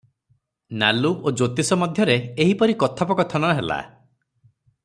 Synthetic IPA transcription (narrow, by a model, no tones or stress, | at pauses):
na̰luod͡ʒot̪isɔmɔd̪ʱjɔɾeːɦipɔɾikɔt̪ʰapɔkɔt̪ʰɔnɔɦela̰